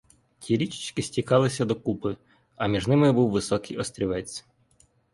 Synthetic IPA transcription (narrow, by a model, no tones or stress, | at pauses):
tʲʰiɾʲit͡ʃɪ̥t͡ʃkɪsʲtʲikɑlˠɪsʲɐd̪ɔkupɪ | ɐmʲiʒnɪmɪbuwʋɪsɔkɪjɔst̪ɾʲiʋɛt͡sʲ